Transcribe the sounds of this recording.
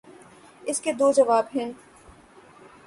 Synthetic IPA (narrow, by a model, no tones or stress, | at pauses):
ɪsked̪oːd͡ʒɐʋaːbɦɛ̃n